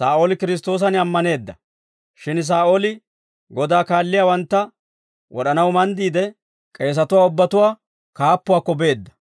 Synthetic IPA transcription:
saːʔoːlɪkɪɾɪs̬t̪ːo̞ːs̬ɐnɪɐmːɐne̞ːd̪ːɐ | ʃɪns̬aːʔolɪ | ɡɔd̪aːkaːlːɪjaːwɐnt̪ːɐ | wʔɔ̰ɗɐnɐwmɐnd̪iːd̪ɛ | kʼe̞ːs̬ɐt̪ʊwaːʊbːɐt̪ʊwaː | kaːpːʊwaːkːɔbe̞ːd̪ːɐ̥

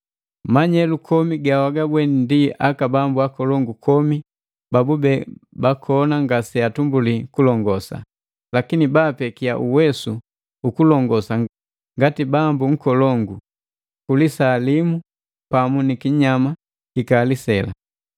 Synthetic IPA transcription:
maɲɛlukʰɔmiɡawaɡabwɛnndiʔakabambuakɔlɔŋɡukʰɔmi | babubɛbakʰɔnaŋɡasɛatumbulikulɔŋɡɔsa̰ | lakinibapɛkia̰ʔuwɛsu | ukulɔŋɡɔsa | ŋɡatibambuŋ̩kɔlɔŋɡu | kulisalimu | pamunikiɲama | kikalisɛla̰

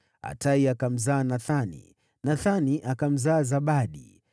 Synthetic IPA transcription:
a̰taiakam̩zaːnaθanḭ | naθaniʔakam̩zaːzaɓaɗḭ

